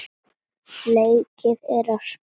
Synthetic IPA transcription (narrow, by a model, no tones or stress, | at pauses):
neːjcɪðɛɾas